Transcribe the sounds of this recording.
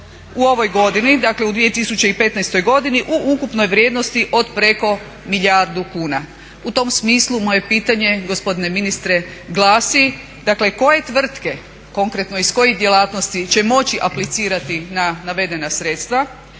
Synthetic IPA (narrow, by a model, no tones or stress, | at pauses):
uo̞ʋo̞jɡo̞d̪inid̪akle̞ud̪ʋije̞t̪isut͡ɕe̞ipe̞t̪najst̪o̞jɡo̞d̪iniʔuʔukupno̞jʋɾʲje̞d̪no̞st̪iʔo̞d̪pɾe̞ko̞ | miʎʲaɾd̪ukuːna | ut̪o̞msmiːslˠumo̞je̞piːt̪aɲe̞ɡo̞spo̞d̪ine̞minist̪ɾe̞ɡlˠaːsi | d̪akle̞ko̞je̞t̪ʋr̩t̪ke̞ | ko̞ŋkɾe̞t̪no̞isko̞jiɣd̪jelaːt̪nost̪it͡ɕe̞mo̞t͡ɕiʔaplit̪siːɾat̪inanaʋe̞d̪e̞nasɾe̞t̪st̪ʋa